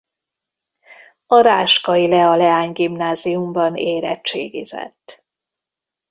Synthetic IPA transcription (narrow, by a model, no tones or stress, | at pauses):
ɒɾaːʃkɒilɛɒlɛaːɲɡimnaːzijumbɒneːɾɛtt͡ʃeːɡizɛ̰t̪ː